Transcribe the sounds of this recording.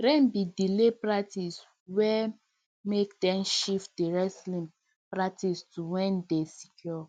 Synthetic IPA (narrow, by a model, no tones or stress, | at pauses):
ɾɛ̃nbidilepɹatis | wɛ | mekdɛ̃mʃifdiɹɛslĩm | pɹak̚tistuwɛ̃ndesikʰjɔ